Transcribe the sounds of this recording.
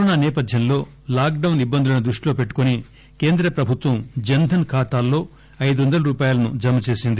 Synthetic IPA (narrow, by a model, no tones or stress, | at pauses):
pɐɾoːnaːnɛːpɐd̪ʱjɐmlo̞ː | laːk̚ɖɐwnibːɐnd̪ulunɐd̪ɾuʂʈilo̞ːpe̞ʈːu̥koni | ke̞ːnd̪ɾɐpɾɐbʱut̪ʋɐmd͡ʒɐnd̪ʱɐnkʰaːt̪aːlːo̞ː | ɐjd̪uʋɐnd̪ɐlɐɾuːpaːjalɐnud͡ʒɐmːɐt͡ʃe̞ːsind̪i